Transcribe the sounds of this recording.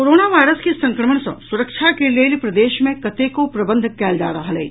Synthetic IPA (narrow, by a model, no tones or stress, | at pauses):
koːɾoːnaʋaːjɾəskesɐ̃ŋkɾəməɳ̃sɐ̰̃sʊɾəkʃʰakeleːlipɾɐd̪eːʃmẽkɐt̪ekopɾɐbə̃nd̪ʱkɛːld͡ʒaːɾɐɦalɛ̰ː